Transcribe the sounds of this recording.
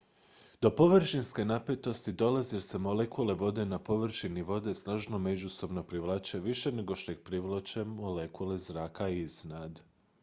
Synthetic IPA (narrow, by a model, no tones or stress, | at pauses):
d̪̥o̞po̞ʋr̩ʃinske̞napet̪o̞st̪id̪o̞lazese̞mo̞lekule̞ʋo̞d̪e̞napo̞ʋrʃiniʋo̞d̪e̞snaʒno̞me̞d͡ʑuso̞bno̞pɾiʋlˠat͡ʃeʋiʃe̞neɡo̞ʃt̪ojeɡ̚pɾiʋlˠat͡ʃemolekulezɾaːkʰaiznad̪